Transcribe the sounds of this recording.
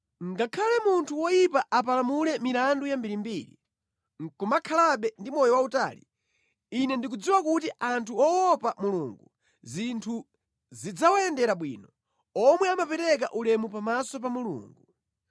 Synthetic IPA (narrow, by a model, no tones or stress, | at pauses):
ŋɡakʰalɛmuntʰuwɔjipaʔapalamulɛmiɾandujambiɾimbiːɾḭ | ŋ̩kɔmakʰalaɓɛndimɔjɔwauta̰ːli | inɛndikud͡ziwakutiʔantʰuɔwɔpamuluŋɡu | zintʰu | zid͡zawajɛndɛɾaɓwḭːnɔ | ɔmwɛamapɛɾɛk̬aʔulɛmupamasɔp̬amulṵːŋɡu